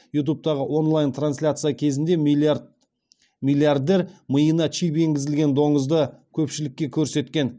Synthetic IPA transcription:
jut̪̬up̚t̪ɑʁəʔwo̞nlˠajnt̪ranslʲat̪sɨjakʲʰe̞zɪnd̪e̞ | milʲˠijard̪e̞ɾməjənɑt͡ʃijpe̞ŋɡʲɪzɪlɡʲe̞nd̪o̞ɴəzd̪əkʲʰɵpʃɪlɪkʲːe̞kʲʰɵɾse̞t̪kʲe̞n

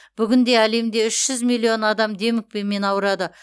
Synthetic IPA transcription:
b̥ʏɡʲɪnd̪e̞æle̞md̪e̞ʏʃʒ̥ʏzmijlʲːio̞nɑd̪ɑmd̪e̞mɪk̚pe̞nme̞nɑwəɾɑd̪ə

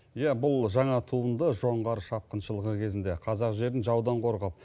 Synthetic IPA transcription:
jæbʊlˠʒɑɴɑt̪ʰuənd̪əʒo̞ɴʁɑɾʃɑp̚qənʃəlˠəʁəkʲʰe̞zɪnd̪e̞qʰɑzɑqʒe̞ɾɪnʒɑwd̪ɑɴqʰo̞ɾʁɑp̚

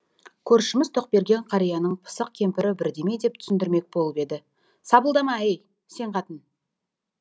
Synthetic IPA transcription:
kʲʰɵɾʃɪmɪzt̪ʰo̞q̚be̞ɾɡʲe̞ɴqʰɑɾijɑnəɴpʰə̥səq̚kʲʰe̞mpɪɾɪbɪɾd̪e̞me̞jd̪e̞p̚t̪ʰʏ̥sɪnd̪ɪɾme̞k̚bo̞lˠəpe̞d̪ɪ | sɑbəlˠd̪ɑmɑej | se̞ɴqʰɑt̪ən

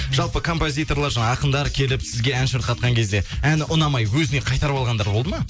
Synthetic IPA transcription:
ʒ̥ɑlˠpəkʰo̞mpo̞zʲijt̪o̞ɾlˠɑɾʒɑɴɑɑqənd̪ɑɾkʲʰe̞lɪpsɪzɡʲe̞ænʃəɾt̪̚qʰɑt̪̚qɑŋkʲʰe̞zd̪e̞ænʔʊnɑmɑjwɵzɪne̞qʰɑjt̪ɑɾəpɑlˠʁɑnd̪ɑɾbolˠd̪əmɑ

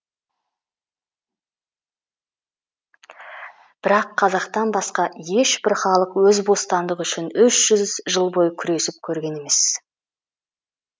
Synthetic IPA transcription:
b̥ɪɾɑqʰːɑzɑqt̪ɑnbɑsqɑje̞ʃbɪɾχɑlˠəqwɵzbo̞st̪ɑnd̪əqʏʃɪnʏʃʒ̥ʏzʒəlˠbo̞jəkʲʰʏɾe̞sɪp̚kʲʰɵɾɡʲe̞ne̞me̞s

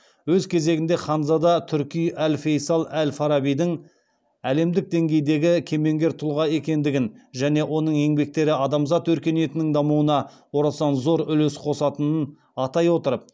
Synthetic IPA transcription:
wɵzkʲʰe̞ze̞ɡʲɪnd̪e̞χɑnzɑd̪ɑt̪ʰʏɾkʲijælfe̞jsɑlˠælʲfɑɾɑbijd̪ɪŋ | æle̞md̪ɪk̚d̪e̞ŋɡʲe̞jd̪e̞ɡʲɪkʲʰe̞me̞ŋɡʲe̞ɾt̪ʰʊlˠʁɑe̞kʲe̞nd̪ɪɡʲɪnʒæne̞wʔo̞nəɴe̞ŋbe̞k̚t̪e̞ɾɪɑd̪ɑmzɑt̪wɵɾkʲe̞ne̞t̪ɪnɪŋd̪ɑmuwənɑ | wo̞ɾɑsɑnzo̞ɾʏlesqʰo̞sɑt̪ənən | ɑt̪ɑjwo̞t̪əɾəp̚

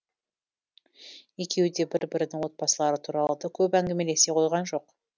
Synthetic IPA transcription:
e̞kʲe̞wd̪e̞bɪɾbɪɾɪd̪ɪŋwo̞t̪̚pɑsəlˠɑɾət̪ʰuɾɑlˠəd̪əkʲʰɵpæŋɡʲe̞me̞le̞se̞qʰo̞jʁɑnʒo̞q

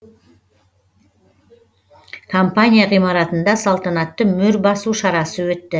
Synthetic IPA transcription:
kʰompanʲijaʁijmɑɾɑt̪ənd̪ɑsɑlˠt̪ɑnɑt̪ːəmʏɾbɑsuʃɑɾɑsəwɵt̪ːɪ

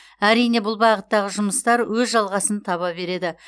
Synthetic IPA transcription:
æɾijne̞bʊlˠbɑʁət̪ːɑʁəʒʊməst̪ɑɾwɵzʒɑlˠʁɑsənt̪ʰɑβɑbe̞ɾe̞d̪ɪ

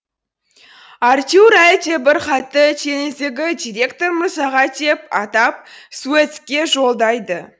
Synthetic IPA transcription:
art̪ʲuɾat̪ʰebɪɾχɑt̪ːət̪ʰenɪzd̪eɡʲɪd̪iɾʲe̞kt̪o̞ɾmʊsɑʁɑt̪ʰe̞pɑt̪ɑp̚suet̪skʲe̞ʒo̞lˠd̪ɑjd̪ə

